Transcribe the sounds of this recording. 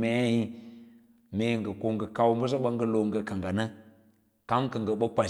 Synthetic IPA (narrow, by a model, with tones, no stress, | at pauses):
me˦ja˦hi˦ | me˨ŋ˨ɡə˨ko˦ŋɡə˨ka˦wm˦bə˦s̬a˦ɓə˦ŋɡə˦lo˨ŋɡə˨ka˨ŋɡa˨nə˦ | ka˦mkə˨ŋɡə˨ɓə˦k͡pʷa˨